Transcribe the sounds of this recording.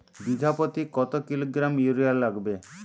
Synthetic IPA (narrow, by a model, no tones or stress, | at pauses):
bid̪ʱapot̪ikɔt̪okiloɡɾamjuɾialːaɡbe